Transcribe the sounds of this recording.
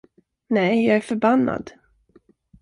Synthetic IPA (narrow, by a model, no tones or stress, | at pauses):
nɛjjɑːɡæɾfœɾbanːa̰d̪